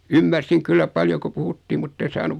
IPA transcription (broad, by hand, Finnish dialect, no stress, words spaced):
ymːærsiŋ kylːæ pɑljo ko puhutːiː mutːen̞ sɑːnuʋ